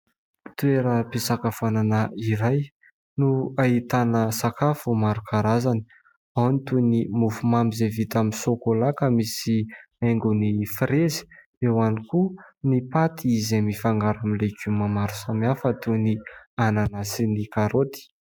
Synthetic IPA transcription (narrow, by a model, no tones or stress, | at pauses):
t̪ueɾəpisakafananaiɾaj | nuait̪anəsakafumaɾukʰaɾazani̥ | awnit̪unimufumambizevit̪aminsokolakəmisi | aŋɡunifɾezi̥ | ewanikunipat̪iizemifaŋɡaɾamilekʲumamaɾu̥samiafət̪uniananasinikaɾot̪i̥